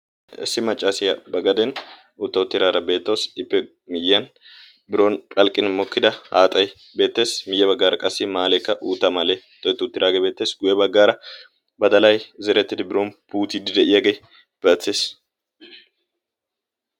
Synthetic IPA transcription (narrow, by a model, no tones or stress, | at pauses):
ɪ̰sːɪmɐt͡ʃʼːasɪjɐbɐɡɐd̪ɛn | ʊt̪ːɐʊt̪ːɪɾaːɾɐbe̞ːt̪ːɐwsɪpːɛ | mɪjːɐn | bɪɾo̞ːnkʼɐlkʼːɪnmɔkːɪd̪ɐhaːt̪ʼɐj | be̞ːt̪ːe̞ːsmɪjːɛbɐɡːaːɾɐkʼɐsːɪmaːlɛkːɐʔuːt̪ːɐmɐle | t̪ʼːɔjt̪ːɪʊt̪ːɪɾaːɡebe̞ːt̪ːe̞ːsɡʊjɛbɐɡːaːɾɐ | bɐd̪ɐlɐjzɛɾɛt̪ːɪd̪ɪbɪɾo̞ːnpuːt̪ɪd̪ɪd̪ɛʔɪjaːɡej | b̥ɐt͡sːeːs